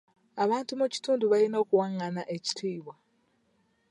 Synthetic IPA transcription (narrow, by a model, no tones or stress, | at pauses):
aβaːntumuci̥tuːnduβalino̞ːkuwaŋːanaʔe̞ci̥tʰiːβwa